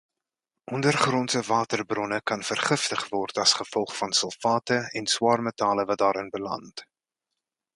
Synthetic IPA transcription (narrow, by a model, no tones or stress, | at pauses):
ʔɔndərχrɔnsəvɑːtərbrɔnəkɐnfərχəftəχvɔrtɐsχəfɔlˠχfɐnsəlˠfɑːtəɛnswɑːrmətɑːləvɐt̚dɑːɾənbəlɐ̰nt